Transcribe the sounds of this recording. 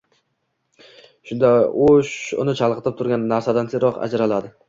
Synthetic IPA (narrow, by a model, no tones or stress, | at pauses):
ʃʊnd̪aoʃʊ̰nɪt͡ʃʰɑlˠqɨt̪ɪp̚t̪ʰʊɾɡʲanːaɾsad̪ansɪɾɒqa̰d͡ʒɾalad̪ɪ